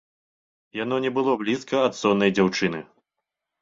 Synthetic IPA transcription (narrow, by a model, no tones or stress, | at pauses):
jan̪ɔnʲɛbɨlˠɔblʲiskɐɐt̪sɔnːɐjd͡zʲawt͡ʂɨnɨ